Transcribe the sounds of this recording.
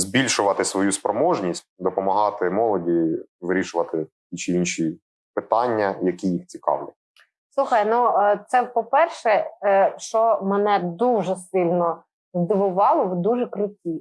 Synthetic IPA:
zbʲilʲʃʊʋɐt̪ɪsʋɔjuspɾɔmɔʒnʲisʲt̚ʲd̪ɔpɔmɐɦɑt̪ɪmɔlˠɔdʲi | ʋɪɾʲiʃʊʋɐt̪ɪ | it͡ʃɪinʃi | pɪt̪ɑnʲːɐjɐkʲijixt͡sʲikɑ̰wlʲɐ | sˠuxɐjnut̪sɛpɔpɛrʃɛʃt͡ʃɔmɛnɛd̪uʒɛsɪlʲnɔ | zd̪ɪʋʊʋɑlˠɔʋd̪uʒɛkɾʊtʲi

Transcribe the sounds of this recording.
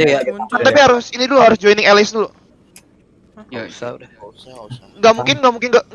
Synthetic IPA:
at̪apihaɾʊsinidulohaɾʊsd͡ʒɔjnɪŋɛlɪsdulo | ŋɡamuŋkɪnɡamuŋkɪnɡa

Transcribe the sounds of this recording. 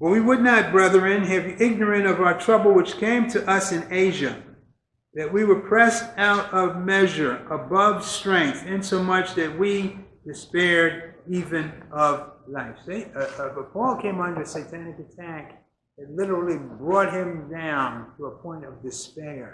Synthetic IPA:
w̥ʌwiwədⁿnət̚b̥ɹʌðə˞ɨ̃nɨvɪɡ̚nə˞ɨ̃ɾʌvaʊə˞tʰɹ̥ʌbl̩ˠwɨt͡ʃkʰẽɪ̃mtʰɨʔʌsɨ̃neɪʒɨ | ðɨt̚wiwə˞pʰɹ̥ɛsaʊɾʌvmɛʒə˞ʔəbʌv̥stɹ̥ɛ̃ŋk̚θɪ̃nsoʊmʌt͡ʃðɨt̚wid̥ɨspɛɹɾivɨ̃nʔʌvlaɪfsibʌpʰɔlˠkʰẽɪ̃mʌ̃ndɨ˞ɨseɪtʰænɨkɨtʰæk | ðɨtˡlɪɾə˞l̩ˠibɹɔt̚ɦɪ̃mdãʊ̃ntʰəəpʰɔ̃ɪ̃ntʌvdɨspɛɹ

